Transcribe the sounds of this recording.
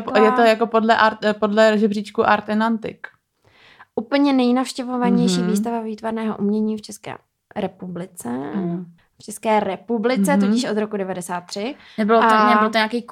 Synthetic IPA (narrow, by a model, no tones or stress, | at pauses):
pjɛt̪ojakopodlɛʔaɾpodlɛɾoʒɛbriːt͡ʃkuʔaɾt̪ɛnant̪ɪ̰k | ʔupl̩ɲɛnɛjnafʃcɛvo̞vaɲɛjʃiːviːst̪avaviːt̪vaɾnɛːɦo̰ʔumɲɛɲiːft͡ʃɛskɛ̰ː | ɾɛpublɪt͡sɛ | ft͡ʃɛskɛːɾɛpublɪt͡sɛt̪ocɪʃʔo̞d̪ɾokudɛvadɛsaːt̪̚ːr̥ɪ | nɛbɪlooɛɪlt̪oɲaːkɛjk